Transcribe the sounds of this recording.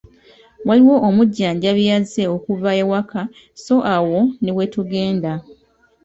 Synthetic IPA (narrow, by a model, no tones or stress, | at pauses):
waliwo̞ʔːmuɟːaːɲɟaβjaze̞okuvaewaka | so̞ʔawo̞newetuɡe̞ːnda